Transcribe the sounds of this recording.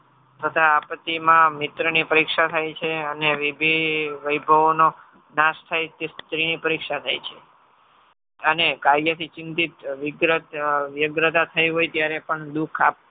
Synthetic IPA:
t̪ʰət̪ʰaːpət̪ːimãmɪt̪ɾənipəɾikʃat̪ʰajt͡ʃʰeəneʋibʱiʋəjbʱəʋno | nast̪ʰajt̪est̪ɾinipəɾikʃat̪ʰajt͡ʃʰe | ənekaɾjət̪ʰit͡ʃɪnt̪it̪ʋɪɡɾət̪ʋjəɡɾət̪at̪ʰəjiɦojt̪jaɾepəɳd̪ukʰap̚

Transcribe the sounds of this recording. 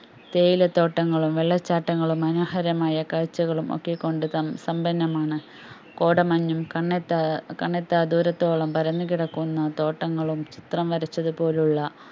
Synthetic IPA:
t̪e̞ːjilet̪o̞ːʈːɐŋːɐɭumʋeɭːɐt͡ɕːaːʈːɐŋːɐɭumɐnoːhɐɾɐmaːjɐkaːɻt͡ɕːɐɣɐɭumʔo̞̰kːekːo̞ɳɖut̪ɐmsɐmbɐnːɐmaːɳɨ | ko̞ːɽɐmɐɲːumkɐɳet̪ːɐkɐɳːet̪ːad̪uːɾɐt̪ːo̞ːɭɐmpɐɾɐnːukiɽɐkːunːɐt̪o̞ːʈːɐŋːɐɭumt͡ɕi̥t̪rɐmʋɐɾɐt͡ɕːɐðupo̞ːluɭːɐ

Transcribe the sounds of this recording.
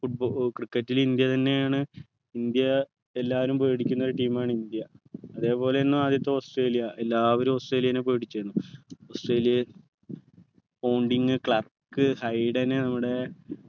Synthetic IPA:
fuʈ̚bokrikːɐtːilind̪jɐt̪ɐnːe̞jaːɳɨ | ind̪jɐ | e̞lːaːʋɐɾumpeːɽikʲːunːo̞ɾuʈiːmaːɳɨind̪jɐɐðe̞ːpo̞ːle̞nːuaːd̪ʱjɐt̪̬ːɐmosʈreːlijɐʔelːaːʋɐɾumosʈre̞ːljɐinepe̞ːɽit͡ɕːɐɾunːuosʈre̞ːlijɐl | pɐwɳɖiŋɡɨkɭɐr | kːɨhɐjɖɐnenɐmːuɽe̞

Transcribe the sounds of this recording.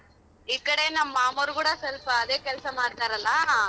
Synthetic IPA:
iːkɐɽenɐmːaːmɐːɾukuːɽɐsɐlpɐːd̪e̞ːkɛlsɐmaːɽt̪aːɾɐlːɐ

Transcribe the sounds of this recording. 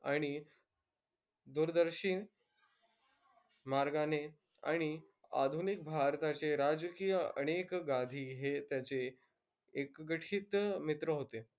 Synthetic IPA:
aɽ̃i | d̪uɾd̪əɾɕin | maɾɡane | a̰ɽ̃i | a̰d̪ʱunik̚bʱaɾt̪at͡ɕeɾad͡zkijəə̰ɽ̃ekɡad̪ʱiːɦet̪jat͡seː | kɡəʈʰiːt̪mit̪ɾəɦot̪e

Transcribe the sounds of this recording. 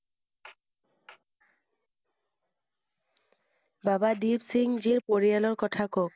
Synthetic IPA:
babad̪ibsiŋd͡ʑiɾpoɹijalɔɾkɔt̪ʰakɔk̚

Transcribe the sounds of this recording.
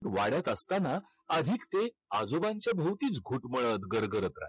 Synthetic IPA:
ɾʋaɽjat̪əst̪ana | əd̪ʱiːkt̪e | ad͡zobãɲt͡ɕjabʱəwt̪iːt͡sɡʱuːʈməɭət̪ɡəɾɡəɾət̪ɾa̰j

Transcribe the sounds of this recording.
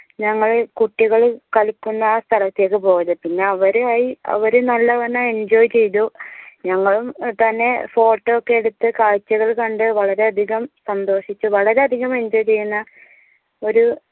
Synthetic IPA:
ɲɐŋːɐɭkuʈːiɣɐɭkɐlkːunːɐst̪ʰɐlɐt̪ːe̞ːkːɨpo̞ːɐðɨpinːe̞ɐʋɐɾaːjiɐ̰ʋɐɾunɐlːɐʋɐnːae̞ɲd͡ʑoːjt͡ɕe̞jt̪uɲɐŋːɐɭumt̪ɐnːe̞fo̞ːʈːɐokːe̞eɽut̪ːɨkaːɻt͡ɕːɐɣɐɭkɐɳɖɨʋɐɭɐɾe̞ɐd̪ʱiɣɐmsɐnd̪o̞ːʂit͡ɕːuʋɐɭɐɾe̞ɐd̪ʱiɣɐme̞ɲd͡ʑoːjt͡ɕe̞jːunːɐ | o̞ɾu

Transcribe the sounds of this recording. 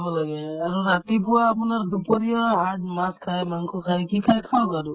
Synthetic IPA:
bɔlaɡɛaɾuɾat̪ip̬uwaːpunaɹd̪upɔɾijɔɦaɹɖ̚maskʰajmaŋkʰɔkʰajkikʰajkʰawkaɾu

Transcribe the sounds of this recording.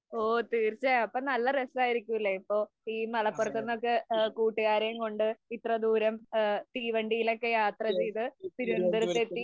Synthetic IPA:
oːt̪iːrt͡ɕaɐpːɐːnɐlːɐrestaːjiɾikʲːuilːɐipːo̞ː | iːmɐɭɐpːurɐt̪ːenːo̞kːe̞kuːʈːuɣaːɾɐjumko̞ɳɖɨit̪rɐd̪uːɾɐmt̪iːʋɐɳɖijilo̞kːe̞jaːt̪rɐt͡ɕe̞jt̪ɨt̪iɾund̪ɐɾɐːe̞t̪ːi

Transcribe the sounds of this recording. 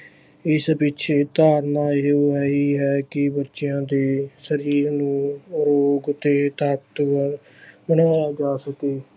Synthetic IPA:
ɪsbɪtːt͡ʃʰeːt̪aːɾnaːeoːɛiːɦɛːkɪbətːʃɪjãːd̪eːsəɾiːɾnũːɾoːɡʊt̪eːt̪əpt̪ | bənaːjaːd͡ʒaːsəkeː

